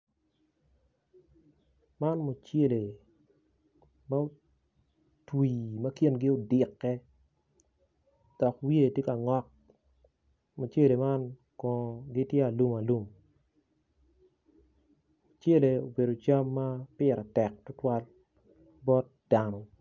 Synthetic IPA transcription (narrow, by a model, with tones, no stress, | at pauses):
ma˦nmo˨t͡ʃe˦le˨ | ma˦o˦ | twi˨mɐ˦kji˦nɡɪ˦o˦dɪ˨kːɛ˦ | d̥ɔ˨kwje˦˨tje˦ka˨ŋɔ˦k̚ | mo˨t͡ʃe˦le˨ma˦n | kɔ̃˨ɡɪ˦tjɛ˦a˨lu˦ma˨lu˦m | o˨t͡ʃje˦le˨o˨be˨do˨t͡ʃa˦mːa˦pɪ˦ɾa˨tɛ˨k̚tʊ˦twa˦l | bɔ˦t̚d̥a˨nɔ˨